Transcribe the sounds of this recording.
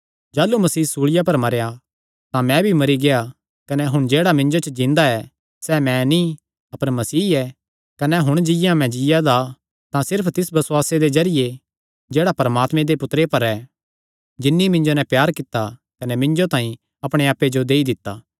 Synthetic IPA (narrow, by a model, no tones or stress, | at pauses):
d͡ʒaːlːumɐsiːsuːɭɪjapɐɾmɐɾeja | t̪ãmɛ̃bʱimɐɾiɡeja | kɐnɛɦʊɽ̃d͡ʒeːɽamɪ̃nd͡ʒot͡ʃəd͡ʒĩnd̪aɛ | sɛmɛ̃ni | ɐpəɾmɐsiːɛ | kɐnɛɦʊɽ̃d͡ʒɪjãmɛ̃d͡ʒɪjad̪a | t̪ãsɪɾpʰt̪ɪsbɐswaːsed̪ezɐɾɪje | d͡ʒeːɽapɐɾɐmaːt̪mẽd̪epʊt̪ɾepɐɾɛ | d͡ʒɪnːimɪ̃nd͡ʒonɛ̃pjaːɾkɪt̪ːa | kɐnɛmɪ̃nd͡ʒot̪ãːĩ | ɐpɽ̃eaːpːed͡ʒod̪eːid̪ɪt̪ːaː